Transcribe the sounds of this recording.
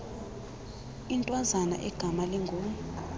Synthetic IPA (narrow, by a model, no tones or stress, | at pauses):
intʼwazana̰ʔɛɡ̥ʱamalɛŋɡʱoːmu